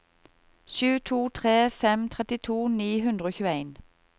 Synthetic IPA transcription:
ʃʉːt̪ʰuːt̪ʰʁeːfɛmt̪ʰʁɛt̪ɪt̪ʰuːniːɦʉnd̪ʁəoːçʉːæɪn

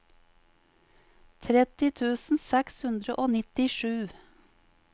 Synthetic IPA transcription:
t̪ʰɾɛt̪ɪt̪ʰʉːsn̩sɛkshʉnd̪ɾəʔoːnɪt̪ɪʃʉː

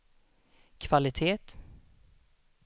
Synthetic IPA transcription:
kʰvalɪt̪ʰeːt̪

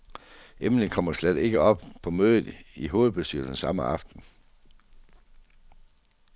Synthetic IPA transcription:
ʔemnənkʰɒ̽m̰ɐslæd̥e̝ɡ̥əɒ̽b̥pʰɒ̽møːðˠð̩ˠiɦo̝ːð̩ˠb̥e̝sd̥y̰ːɐd̥ensɑ̈məʔɑ̈fd̥n̩

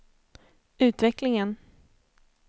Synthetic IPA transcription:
ʉ̟ːt̪vɛklɪŋən

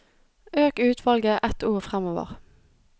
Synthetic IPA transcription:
øːkʉːt̪ʰʋɑlɡəʔɛt̪uːʁfʁɛmoːʋə̰ʁ

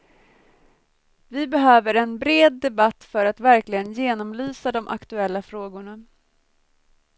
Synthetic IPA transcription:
vɪbɛɦøːvəɾɛnbɾeːd̪ːɛbat̪ːfœɾat̪væɾklɪɡənjeːnɔmlyːsad̪ɔmʔa̰kt̪ɵɛlːafɾoːɡʊɳa

